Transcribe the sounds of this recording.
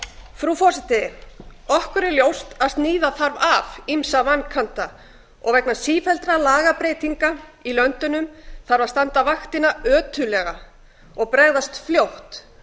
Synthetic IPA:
fɾufɔ̥sɛt̪ɪ | ɔhkʏɾɪljowst̪aðst̪niːðaθaɾvavimsavanːkʰant̪a | ɔ̰ɣvɛknasiːfɛlt̪ɾalaːɣapɾejt̪iŋkailœnt̪ʏnʏmθaɾvaðst̪ant̪avaxt̪ɪnaœːt̪ʰʏlɛɣa | ɔɣpɾɛɣðast̪fljowht̪

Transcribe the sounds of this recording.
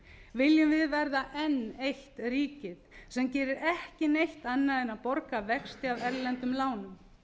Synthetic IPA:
vɪljʏmvɪðvɛɾðaʔɛnejht̪ɾiːcɪðsɛmcɛːɾɪɾɛhcɪnejht̪anːaðɪnapɔɾkavɛxst̪ɪavɛɾlɛnt̪ʏmlaːwnʏm

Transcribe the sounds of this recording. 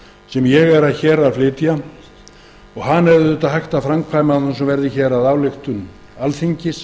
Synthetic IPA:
sɛmjɛɣɛɾaðçɛːɾalflɪːt̪ja | ɔɣɦanːɛɾvððʏːt̪aðhɦajxt̪afɾamkʰvaːjmanunsɛmvɛɾðɪçɛːɾaðaːwlɪxt̪ʏn | alθiɲcɪs

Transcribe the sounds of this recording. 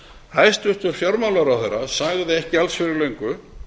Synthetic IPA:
hajst̪ʏht̪ʏɾ̥fjawɾmawlaɾawθejɾːasaɣðɪɛhcɪalsfɪɾɪɾlejŋkʏ

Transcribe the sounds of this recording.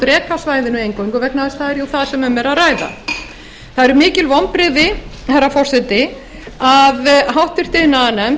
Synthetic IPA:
t̪ɾɛːkasvaːjðɪnʏejŋkowjŋkɔvɛknaðɪst̪θaðɛɾjowθaðsɛmʏmɛɾaðraːjða̰ | θaðɛɾʏmɪːcɪlvɔmpɾɪðɪhɛɾːafɔr̥sɛt̪ːɪ | aðɦawht̪ʏr̥t̪ɪnːanɛm

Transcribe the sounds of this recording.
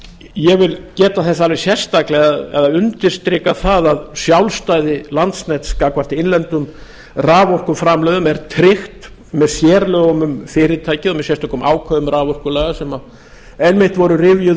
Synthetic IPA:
jɛɣvɪlcɛːt̪aθɛs̬aalvɪ̥sjɛr̥st̪aklɛɣɛ̰ðaʏnt̪ɪɾ̥st̪ɾɪkaθaðaðsjawlst̪aːjðɪlant̪snɛt̪skaːkvar̥t̪ɪɪnlɛnt̪ʏm | raːvɔwr̥kʏmfɾamlœːðʏmɛɾt̪ʰɾɪxt̪ | mɛðsjɛːɾlœɣɔmʏmfɪːɾɪt̪ʰaːjcɪðɔmɛðsɛst̪ahklʏmʔa̰ːwkʰvœðʏmraːvɔrkʏlaːɣasɛma | ɛnmɪht̪vɔɾʏrɪvjʏ

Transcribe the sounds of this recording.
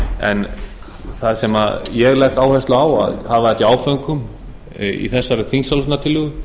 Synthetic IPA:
ɛ̰n | θaðsɛmajɛɣlɛhkaːwhɛst̪laaːwa̰ðhaðvaɛt̪iaːwfœŋkʏm | ḭθɛsːaɾɪθiŋsalnat̪ʰɪlːʏɣʏ

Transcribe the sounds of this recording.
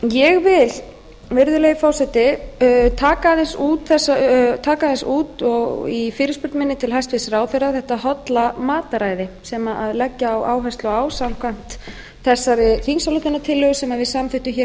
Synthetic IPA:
jɛɣvɪl | vɪɾðʏlejɪfaːwsɛt̪ɪt̪ʰaːkaðɪnsuːt̪θɛsːat̪ʰaːkaðɛnsuːt̪ɔɣifɪːɾɪspʏɾt̪mɪnːɪt̪ʰɪlɦajst̪vɪsraːwθejɾaθɛht̪ahɔt̪lamaːt̪aɾaːjðɪsɛmaʔaðlɛcːaːwaːwɦajst̪lɔaːwsamkʰvan̥t̪ | θɛsːaɾɪθinsalʏt̪ɪnːat̪ʰɪlːœːɣʏsɛmaðvɪðsamfɪht̪ʏmçɛɾ

